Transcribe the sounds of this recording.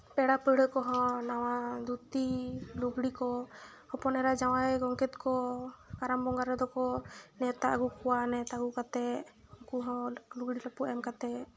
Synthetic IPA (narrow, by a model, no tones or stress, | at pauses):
pɛɽapəɽəkɔɦɔ̃nawad̪ut̪iluɡɽikɔ | hɔpɔnɛɾad͡ʒawajɡɔŋkɛt̪kɔkaɾambɔŋɡaɾɛd̪ɔkɔnɛt̪aʔɡukɔwanɛt̪aɡukat̪ɛukuɦɔ̃luɡɽilapuʔɛmkat̪ɛ